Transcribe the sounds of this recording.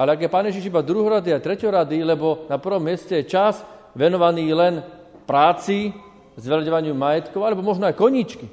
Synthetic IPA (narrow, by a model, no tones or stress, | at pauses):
alɛaɡjɛpaːnjɛʒiʃibad̪ɾuɦɔɾad̪iajt̪ɾɛcɔɾad̪ilɛbɔnapr̩ʋɔmːɪɛscɛjɛt͡ʃaz | ʋɛnɔʋaniːlɛn | pɾaːt͡si | zʋɛlaɟɔʋaɲɪumajɛt̪kɔʊalɛbɔmɔʒnɔajkɔɲit͡ʃki